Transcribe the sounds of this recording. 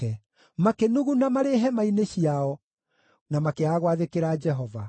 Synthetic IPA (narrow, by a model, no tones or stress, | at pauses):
ɛ | makenuɣunamaɾeɦɛmaineɕiaɔ | namakeaɣwaðekeɾad͡ʒɛɦɔva